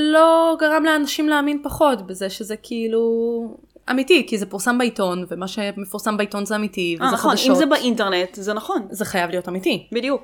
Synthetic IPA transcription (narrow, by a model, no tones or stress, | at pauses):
lo̞ɡaʁamleanaʃimleaminpaχo̞tbezeʃezekʰiilu | ʔa̰mitikizepuʁsambeito̞nvemaʃemefuʁsambaito̞nzeamitiveaaonʃimzebaʔinteʁnetzenɐχo̞nze̞χajavlijo̞tamitibidjuk